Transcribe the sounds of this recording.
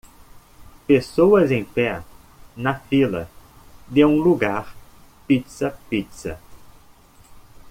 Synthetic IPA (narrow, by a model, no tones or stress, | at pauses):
pesowɐzẽj̃pɛ | nɐfilɐ̰ | d̪eũluɡaɾpit̪sɐpit̪sɐ